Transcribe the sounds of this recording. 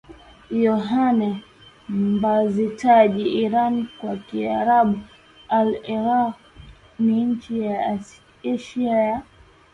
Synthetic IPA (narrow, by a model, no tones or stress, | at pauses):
jɔɦanɛ | mmbazitaʄiiɾankwakiaɾaɓu | alɛɾa | niɲ̩t͡ʃija | ɛʃiaja